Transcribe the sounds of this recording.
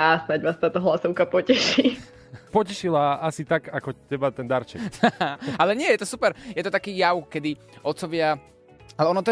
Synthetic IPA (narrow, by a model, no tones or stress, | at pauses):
asnaɟʋaːst̪aːt̪ɔɦlasɔʊkapɔcɛʃi | pɔcɛʃilaasit̪aɡakɔcɛbat̪ɛnd̪aɾt͡ʃɛ̰kaalɛɲɪɛjɛt̪ɔsupɛɾjɛt̪ɔt̪akiːjaʊkɛd̪i | ɔt̪t͡sɔʋɪa | alɛɔnɔt̪ɔ